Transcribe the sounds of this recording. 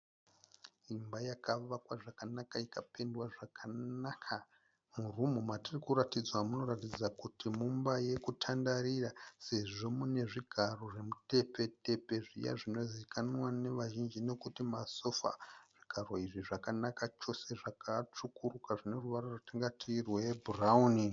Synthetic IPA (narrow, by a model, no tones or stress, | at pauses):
imbajakaʋakwaʐakanakaikape̞ndwaʐakʰanakʰa | murumumatirikuɾatid͡zwamuno̞ratid͡zakutʰimumbaje̞kutʰandaɾirase̞ʐo̞mune̞ʐiɡʱaro̞ʐe̞mute̞pe̞te̞pe̞ʐḭja̰ʐino̞zikʰanwane̞ʋaʒind͡ʒine̞kutimaso̞fa̰ʐ̥iɡ̥ʱaro̞iʐiʐakanakat͡ʃo̞se̞ʐakʰat͡ʂukurukaʐine̞ruʋaroratiŋɡatʰirweburauni